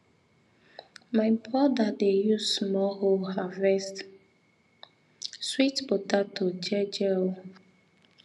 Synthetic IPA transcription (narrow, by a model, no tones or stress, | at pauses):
maɪmpʰɔdadejusmɔɦohavɛst | switbotatʰod͡ʒɛd͡ʒɛl